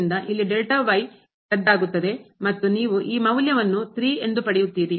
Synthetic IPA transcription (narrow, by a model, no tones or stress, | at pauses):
nd̪ɐʔilːiɖelʈɐʋɐj | k̪ɐɖːaːɡut̪ːɐd̪e̞mɐt̪ːuniːʋuʔiːmɐwljɐʋɐnːut̪ɾiːe̞nd̪upɐɽejut̪ːiːɾi